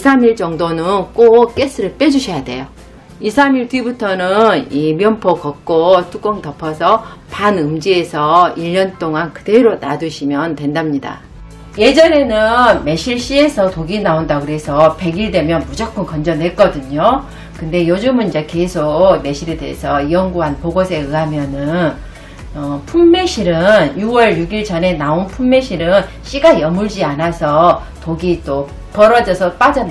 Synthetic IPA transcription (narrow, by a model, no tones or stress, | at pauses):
isʰamiɭt͡ɕʌŋdonɯnk͈ok͈e̞s͈ʰɯɾɯɭp͈e̞d͡ʑuɕʰʌjade̞̰jo | isʰamiɭtibutʰʌnɯnimjʌmpʰʌkʌk̚k͈otʰuk͈ʌŋtʌpʰʌsʰʌpanɯmd͡ʑie̞sʰʌiʎːʌnt͈oŋankɯde̞ɾona̰dɯɕʰimjʌntwe̞ndamɲida̰ | je̞d͡ʑʌɾe̞nɯnme̞ɕʰiɭɕ͈ie̞sʰʌtoɡinaondakɯɾe̞sʰʌpe̞ɡiɭdwe̞mjʌnmud͡ʑʌk͈ɯnkʌnd͡ʑʌnwe̞k͈ʌdɯɲo | kɯnde̞jod͡ʑɯmɯnid͡ʑe̞ke̞sʰok̚me̞ɕʰiɾedeesʰʌijʌŋɡuɦanpoɡosʰe̞ɯɦamjʌnɯn | ʌpʰumːe̞ɕʰiɾɯnjuwʌɭjuɡiɭt͡ɕʌne̞naonpʰumːe̞ɕʰiɾɯn | ɕ͈iɡajʌmuɭd͡ʑianasʰʌ | toɡit͈o | pʌɾʌd͡ʑʌsʰʌp͈ad͡ʑʌn